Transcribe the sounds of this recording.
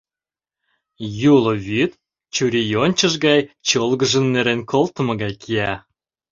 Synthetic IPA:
julɤ̆βyt̪ | t͡ɕuɾʲijonʲt͡ɕə̆ʒɡɑjt͡ɕolɡə̆ʒə̆nːeɾenkʰolt̪ə̆mɤ̆ɣɑjkʰiæ

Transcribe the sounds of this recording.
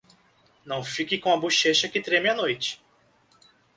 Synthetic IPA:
nɐ̃w̃fikɪkõɐbuʃeʃɐkɪt̪ɾemɪɐnojt͡ʃɪ̥

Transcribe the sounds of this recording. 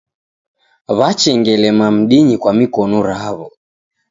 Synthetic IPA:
βat͡ʃɛŋɡɛlɛmam̩ɗiɲikwamikɔnuɾaaβɔ

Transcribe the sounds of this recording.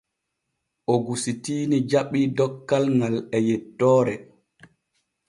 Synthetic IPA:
ʔoɡusitiːnid͡ʒaɓːidɔkːalŋɡalɛjɛtːɔːɾɛ

